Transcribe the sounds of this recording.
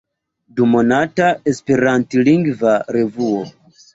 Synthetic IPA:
dumo̞natae̞spe̞ɾantiliŋɡvaɾe̞vuo

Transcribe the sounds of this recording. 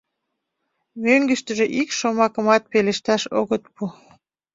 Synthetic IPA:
møŋɡə̆ʃt̪əʒeʔikʃomɑkəmɑt̪̚peleʃt̪ɑʃoɣət̪pu

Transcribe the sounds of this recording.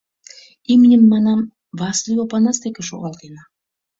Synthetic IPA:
imnʲɘmːɑnɑm | vɑslʲiopɑnɑst̪ekʲĕʃoɣɑlˠt̪enɑ

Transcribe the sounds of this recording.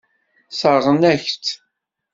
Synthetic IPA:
səɾʁənæçt̪

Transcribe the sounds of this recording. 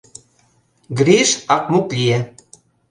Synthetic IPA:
ɡɾiʃɑk̚muklʲije

